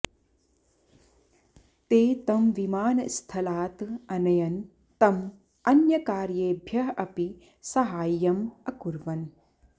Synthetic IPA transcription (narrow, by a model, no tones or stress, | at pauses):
t̪eːt̪ɐmʋimaːnɐst̪ʰɐlaːt̪ɐnɐjɐn | t̪ɐm | ɐnjɐkaːɾjeːbʱjɐɦɐʔɐpi | sɐɦaːjːɐmɐkuɾʋɐn